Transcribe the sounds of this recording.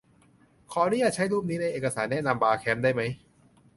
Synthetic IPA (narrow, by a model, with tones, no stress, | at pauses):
kʰɔː˨˩˦niː˦˥jaː˨˩t͡ɕʰa˦˥jɾuː˥˩p̚niː˦˥na˧jʔeː˨˩ka˧saː˩˦nːɛː˦˥˨na˧mbaː˧kʰɛː˦˥mdaː˥˩jma˦˥j